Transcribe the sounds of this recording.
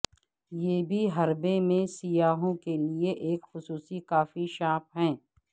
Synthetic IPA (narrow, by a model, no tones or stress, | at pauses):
jeːbʱiɦɐɾbemẽsijaːɦõkelieʔeːkxʊsuːsikaːfiʃaːp̚ɦɛ̃ː